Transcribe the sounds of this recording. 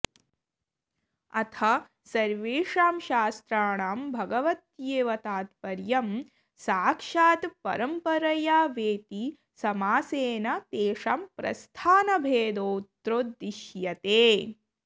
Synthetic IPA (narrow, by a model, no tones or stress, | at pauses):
ɐt̪ʰɐ | sɐɾʋeːʂaːmʃaːst̪ɾaːɳaːmbʱɐɡɐʋɐt̪jeːʋɐt̪aːt̪pɐɾjɐm | saːkʂaːt̪pɐ̰ɾɐmpɐɾɐjaːʋeːt̪i | sɐmaːseːnɐt̪eːʂaːmpɾɐ̰st̪ʰaːnɐbʱeːd̪oːt̪ɾoːd̪ɾiʃjɐt̪eː